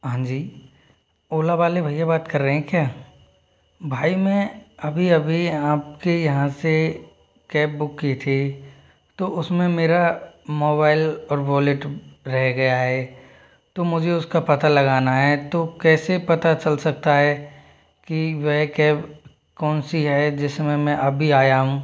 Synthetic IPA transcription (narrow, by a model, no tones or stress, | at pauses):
ɦãːd͡ʒiː | oːlaʋaːlebʱɐijabaːt̪kɐɾːəɦɛ̃kjaː | bʱaːimẽɐbʱiɐbʱiaːp̚kejɐɦãse | kɛːp̚bʊkːit̪ʰe | t̪oʊsmẽmeːɾamoːbaːɪlɔːɾʋɔːleʈɾɛɦɡɐjaɦɛː | t̪omʊd͡ʒʱeʊskapɐt̪alɐɡaːnaɦɛt̪oːkɛːsepɐt̪at͡ʃɐlsɐk̚t̪aɦɛ | kiʋɛɦkɛːp | kɔːnsiɦɛd͡ʒɪsmẽmɛ̃ʔɐbʱiaːjaɦũː